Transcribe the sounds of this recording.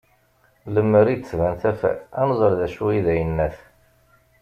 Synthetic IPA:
ləmːəɾid̪svænθæfæ̰ænzˤəɾðæʃuiðæjənːæθ

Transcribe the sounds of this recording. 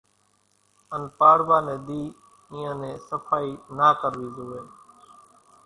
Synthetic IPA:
ənpaːɾbaːnẽːd̪iː | ĩːãːnẽːsəfʰaːiːnaːkəɾʋiːzoːʋeː

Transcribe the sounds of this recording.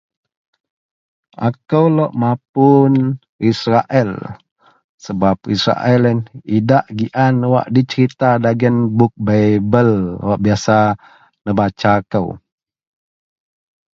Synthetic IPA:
ʔa̰kəwlɔʔmap̚un | isɾaʔɛl | səbap̚ḭsɾa̰ʔɛlnidaʔɡiʔanwa̰ʔdit͡ʃəɾit̪adaɡənbuk̚babəlwaʔbiasa | nəbat͡ʃakəw

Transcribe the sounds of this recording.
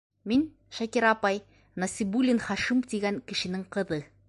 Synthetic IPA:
min | ʃækiɾɑpɑj | nɐsʲibulʲːinχɑʃimt̪iɡæŋkɘ̆ʃɘ̆nɘŋqɤ̆ðɤ

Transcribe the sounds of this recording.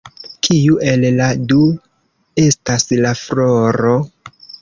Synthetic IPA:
kʰiuʔe̞lladu | e̞staslafloɾo̞

